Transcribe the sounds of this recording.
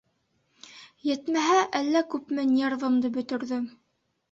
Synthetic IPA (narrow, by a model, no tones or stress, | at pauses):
jɘ̆t̪mæɦæʔælːækʉpmɘnʲerðɤ̆md̪ɤbɵ̆t̪ɵ̆ɾðɵ